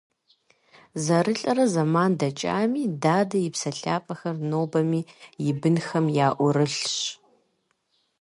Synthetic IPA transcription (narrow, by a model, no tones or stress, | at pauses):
zɐɾɨɬʼɐɾɐzɐmaːndɐt͡ʃʼa̰ːmiːdaːdɐjɪpsɐɬaːpʼɐxɐrnoːbɐmiːjɪbɨnxɐmjaːʔʷʊɾɨɬɕ